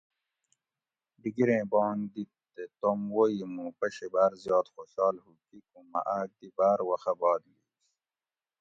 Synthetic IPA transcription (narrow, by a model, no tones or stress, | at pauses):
ɖiɡiɾẽːbɑ̃ːnd̪it̪ː | et̪omwoimũpɐɕebaːɾzjɑːt̪xoɕɑːlhukikũmɐ̰ʔaːk̚d̪ibaːɾwɐxɐbɑːd̪liː